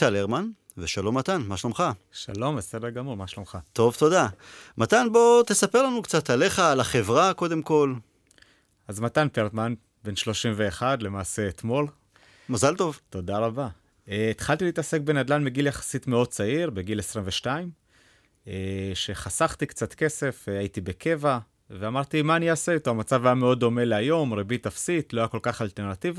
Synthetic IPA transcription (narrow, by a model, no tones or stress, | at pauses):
taleʁman | veʃalo̞mːat̪anmaʃlomχa | ʃalo̞mbese̞deɡamuʁmaʃlomχat̪o̞vt̪o̞d̪amat̪anbo̞t̪esapeʁlanukt͡sat̪ale̞χaːlaχevʁako̞d̪e̞mko̞l | azmat̪anpeʁtman | be̞nʃlo̞ʃimve̞ːχad̪le̞maːse̞ːt̪mo̞l | mazalt̪o̞vt̪o̞daʁaba | eːt̪χaltiliːtase̞k̚benad̪lanmiɡiljaχḁsitmeo̞d̥̚t͡saiʁbeɡilesʁimveʃtaim | eʃe̞χasaχt̪ikt͡sat̪ke̞se̞fajitibe̞kʰe̞va | veamaʁt̪imaːniaseit̪oamat͡savajame̞o̞d̚ːo̞me̞leajo̞mʁebit̪afsit̪lo̞ajako̞lkaχalt̪eʁnativa